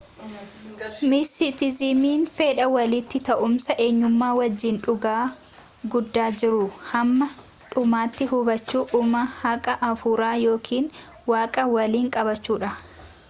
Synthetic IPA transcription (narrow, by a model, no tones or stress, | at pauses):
mɪsɪt̪ɪzɪmiːnfeːᶑɐwɐlɪt̪ːɪt̪ɐʔʊmsɐʔe̞ːɲːʊmːaːwɐd͡ʒːɪnᶑʊɡaː | ɡʊd̪ːaːd͡ʒɪɾʊhɐmːɐ | ᶑʊmaːt̪ːɪhʊbɐt͡ʃːuːʔʊmɐhɐkʼɐʔɐfuːɾaːjo̞ːkʰiːn | waːkʼɐwɐliːŋkʼɐbɐt͡ʃːuːᶑɐ